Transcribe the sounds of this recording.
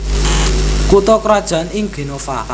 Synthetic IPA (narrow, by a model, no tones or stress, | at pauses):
kut̪ɔkɾad̥ʒ̥a̤nɪŋɡ̥e̤nofa̰